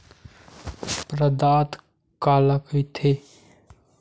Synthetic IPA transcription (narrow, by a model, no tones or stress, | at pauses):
pɾəd̪aːt̪ | kaːlakit̪ʰe